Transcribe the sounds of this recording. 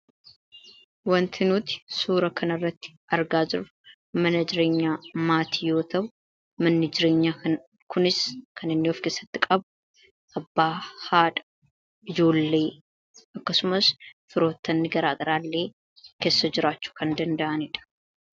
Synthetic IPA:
wɐnt̪ʰɪnuːt̪ɪ̥suːɾɐkʰɐnɐrːɐt̪ːɪ̥ʔɐɾɡaːd͡ʒɪɾ | mɐnɐd͡ʒɪɾe̞ːɲːaːmaːt̪iːjo̞ːt̪ɐʔʊ | mɐnːɪd͡ʒɪɾe̞ːɲːaː | kʰʊnɪskʰɐnɪnːɪɔfke̞ːsːɐ̥t̪ːɪkʼɐb | ʔɐbːaːhaːᶑɐ̥ | ɪd͡ʒo̞ːlːe̞ː | ɐkːɐsʊmɐsfɪɾo̞ːt̪ːɐnːɪɡɐɾaːɡɐɾaːlːe̞ː | ke̞ːsːɐd͡ʒɪɾaːt͡ʃːu̥kɐnd̪ɐnd̪ɐʔɐnɪᶑɐ̥

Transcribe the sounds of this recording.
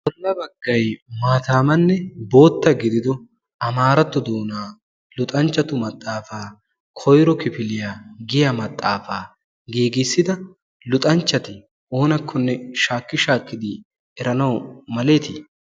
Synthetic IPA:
ʔɔlːɐbɐɡːɐjmaːt̪aːmɐnːɛbo̞ːt̪ːɐɡɪd̪ɪd̪ɔ | ɐmaːɾɐt̪ːɔd̪oːnaː | lʊt̪ʼɐnt͡ʃːɐt̪ʊmɐt̪ʼːaːfaː | kʰɔjɾɔkɪfɪlɪjaɡɪjɐmɐt̪ʼːaːfaː | ɡeːɡɪsːɪd̪ɐ | lʊt̪ʼɐnt͡ʃːɐt̪ɪ | ʔoːnɐkʰːɔnːɛʃaːkːɪʃaːkːɪd̪ɪ | ɛɾɐnɐwmɐleːt̪ɪ

